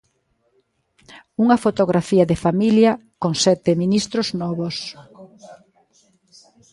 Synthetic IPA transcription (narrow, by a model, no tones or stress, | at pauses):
uŋɐfot̪oɣɾafiɐðefamiljɐkoŋsɛt̪ɪminist̪ɾoznɔβos